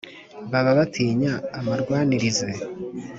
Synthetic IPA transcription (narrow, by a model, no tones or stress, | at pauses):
βaβaβatʰiːɲaːmaɾɡwaːniɾize